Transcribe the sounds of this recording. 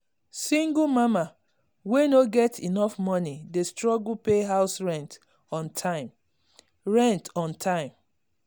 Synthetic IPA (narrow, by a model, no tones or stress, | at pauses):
sĩŋɡumama | wenoɡɛtʰḭnɔfmɔnidestɹɔɡulpeɦaʊsɹɛ̃nt | ɔ̃ntʰaɪm | ɹɛ̃ntɔ̃ntʰãɪ̃m